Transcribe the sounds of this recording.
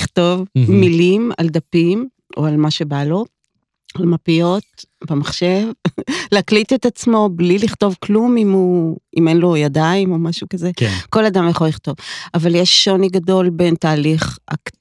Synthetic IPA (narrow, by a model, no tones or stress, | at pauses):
iχto̞vmilima̰ld̪apim | ʔo̞̰almaʃe̞balo̞ | almapijo̞t̪̚bemaχʃe̞vleaklitetat͡smo̞bliliχto̞vklumimuimenlo̞jadaimo̞maʃukazekko̞lad̪amjeχoliχt̪o̞vavaljeʃːo̞niɡado̞lbe̞ntaːliχa̰k